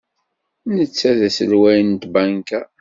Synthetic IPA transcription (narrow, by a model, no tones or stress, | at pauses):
nət͡sːæðæsəlwæjənt̪bæŋkæ